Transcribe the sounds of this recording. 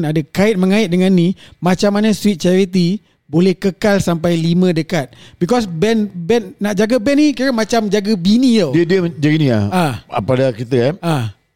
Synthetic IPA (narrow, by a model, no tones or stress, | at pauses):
nadəkaɪt̪̚məŋãɪt̪̚dəŋanːĩmãt͡ʃamːanə̃swit̪̚t͡ʃɛɾit̪i | bolɛhkəkalsampajlimə̃dəkat̪̚bikɔs̬bɛnbɛnːaʔd͡ʒaɡabɛnikiɾamãt͡ʃamd͡ʒaɡəbinĩjodiədəd͡ʒaɡinĩa̰a̰padakit̪əaa